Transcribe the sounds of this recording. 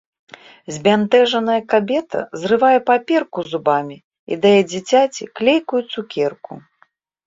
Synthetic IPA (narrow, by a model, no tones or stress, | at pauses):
zʲbʲant̪ɛʐɐnɐjɐkabʲɛt̪ɐ̰zrɨvajɛpapʲɛrkuzubamʲi | ḭd̪ajɛd͡zʲit͡sʲat͡sʲiklʲejkujut̪sukʲɛrku